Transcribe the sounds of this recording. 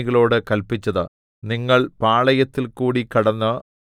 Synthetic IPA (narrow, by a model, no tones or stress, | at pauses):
iɣɐɭo̞ːɽɨkɐlpit͡ɕːɐðɨ | niŋːɐɭpaːɭɐjɐt̪ːilkuːɽikɐɽɐnːɨ